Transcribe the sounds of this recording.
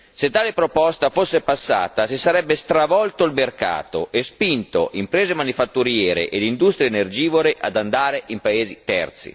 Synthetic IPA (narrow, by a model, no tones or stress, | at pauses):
set̪ːaːlepɾopɔst̪afosːepasːa̰ːt̪asisaɾɛbːest̪ɾavɔlt̪oilmerka̰ːt̪o̰ʔespint̪o̰ʔimpɾeːzemanifat̪ːuɾjɛːɾḛʔelind̪ust̪ɾjeːnerd͡ʒiːvoɾeʔad̪and̪aːɾeʔimpaeːzit̪ɛ̰rt̪sḭ